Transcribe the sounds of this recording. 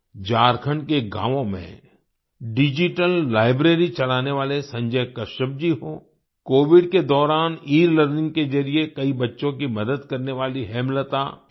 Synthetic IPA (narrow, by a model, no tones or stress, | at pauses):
d͡ʒaːɾkʰəɳkeɡã̰ːʋõmḛ̃ | ɖɪd͡ʒɪʈəlːaːɪbɾeːɾit͡ʃɐlaːneʋaːlesɐ̃ɲd͡ʒəjkɐʃəb̚d͡ʒiɦoː | koːʋɪɖked̪ɔːɾaːniːɾləɾnɪ̃ŋɡ̚ked͡ʒɐɾiekɐibɐtːʃõkimɐd̪əd̪kɐɾneʋaːliɦɛːmlət̪a̰ː